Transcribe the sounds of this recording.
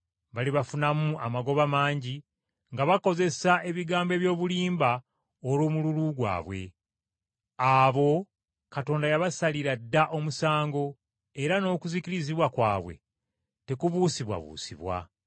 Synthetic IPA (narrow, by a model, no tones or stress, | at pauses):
βaliβafunamuamaɡo̞βamaːɲɟi | ŋɡaβako̞ze̞saʔe̞βiɡaːmbe̞βjo̞ːβuliːmba | olwoːmululuɡwa̰ːβwe̞̰ | aβo̞ | kato̞ːndajaβasaliɾadːaʔo̞musaːŋɡo̞ | e̞ɾano̞ːkuziciɾiziβwakwaːβwe̞̰ | te̞kuβuːsiβwa̰βṵːsḭβwa̰